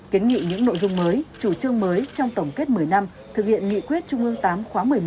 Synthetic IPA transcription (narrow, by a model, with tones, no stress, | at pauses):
ki˨˦ənŋḭ˧˨ɲɨ̰˧˥ŋno̰˧˨jzʊ˧ŋ͡mməː˨˦jt͡ɕu˧˩t͡ɕɨ˧əŋməː˨˦jt͡ɕɔ˧wŋ͡mt̪ə˧˩wŋ͡mke˦˥t̚mɨ˨˩əjna˧m | t̪ʰɨ˨˩k̚hḭ˧˨ənŋḭ˧˨kwi˦˥ət̚t͡ɕʊ˧ŋ͡mʔɨ˧əŋt̪aː˨˦mxwaː˨˦mɨ˨˩əjm˩